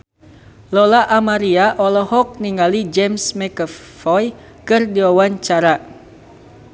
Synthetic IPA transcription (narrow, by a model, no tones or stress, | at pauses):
lɔlaʔamaɾiaʔɔlɔhɔk̚niŋɡalid͡ʒɛmsmɛkəfɔj | kɨrdiwawaɲt͡ʃaɾa